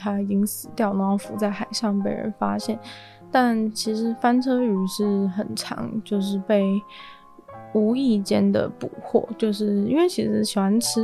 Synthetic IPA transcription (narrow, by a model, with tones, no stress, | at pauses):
t̪ʰa˥i˨˩t͡ɕi˥ŋsɹ̩˨˩t̪jɑ˥˩ʊnwɑ˥ŋfu˧˥t͡sa˥˩ɪxa˨˩ɪʂɑ˥˩ŋp̬e˧˥ɪɻə̰˧˥nfa˥ɕjɛ˥˩n | t̪a˥˩nt͡ɕʰi˧˥ʂɻ̩˧˥fa˥nʈ͡ʂʰɤ˥y˧˥ʂɻ̩˥˩xə˨˩nʈ͡ʂʰɑ̰˧˥ŋt͡ɕjo˥˧ʊʂ̬ɻ̩˥˧pe˥˩ɪ | u˧˥i˥˩t͡ɕjɛ˥nd̪ə̰˨˩pṵ˨˩xʰwɔ̰˥˩t͡ɕjo˥˧ʊʂɻ̩˥˩i˥nwe˥˩ɪt͡ɕʰi˧˥ʂɻ̩˧˥ɕi˨˩wa˧˥nʈ͡ʂʰɻ̩˥